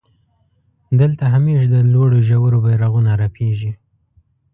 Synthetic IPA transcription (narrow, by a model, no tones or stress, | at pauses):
d̪əlt̪aɦameʃd̪əloɽoʒawəɾobajɾaɣunaɾapʰeʒi